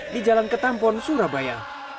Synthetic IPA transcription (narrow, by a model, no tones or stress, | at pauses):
did͡ʒalankət̪ampɔnsuɾabaja